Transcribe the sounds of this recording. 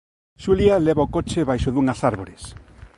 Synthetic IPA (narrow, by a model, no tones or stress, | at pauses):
ʃulialeβaokot͡ʃeβajʃoðuŋasaɾβoɾes